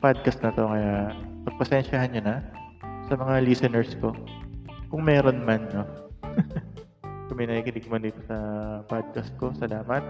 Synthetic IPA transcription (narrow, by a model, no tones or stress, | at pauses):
pad̪̚kɐst̪̚nɐt̪o̞kɐjapɐɡ̚pɐsɛnʃɐhɐnɲʊnɐsɐmɐŋalisɛnɛɹsko̞ | kʊŋmɛːɾo̞nmanːo̞ | kʊmɪjnɐikɪd̪ɪɡ̚mɐnd̪iːt̪osɐpad̪̚kɐst̪̚ko̞sɐlaːmɐt̪̚